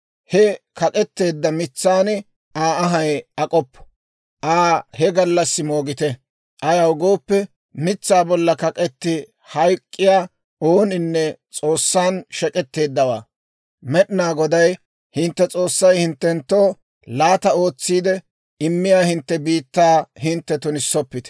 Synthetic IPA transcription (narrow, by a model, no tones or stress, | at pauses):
hɛkɐkʼɛt̪ːe̞ːd̪ːɐmɪt͡sːaːnɪ | aːɐɦɐjɐkʼɔpːɔ̥ | ʔaːhɛɡɐlːɐsːɪmo̞ːɡɪt̪ɛ | ʔɐjawʊɡo̞ːpːɛ | mɪt͡sːaːbɔlːɐkɐkʼɛt̪ːɪ | hɐjkʼːɪjaː | oːnɪnːɛt͡sʼo̞ːsːaːnʃɛkʼɛt̪ːe̞ːd̪ːɐwa̰ː | mɛɗɪnaːɡɔd̪ɐj | hɪnt̪ːɛt͡sʼo̞ːsːɐjhɪnt̪ːɛnt̪ːoː | laːt̪ɐo̞ːt͡sːiːd̪ɛ | ɪmːɪjaːhɪnt̪ːɛbiːt̪ːaːhɪnt̪ːɛt̪ʊnɪsːɔpːɪt̪ɛ̥